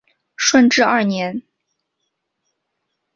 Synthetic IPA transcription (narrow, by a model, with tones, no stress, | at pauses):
ʂwə˥˧nʈ͡ʂɻ̩˥˧ɐ˥˩njɛ˧˥n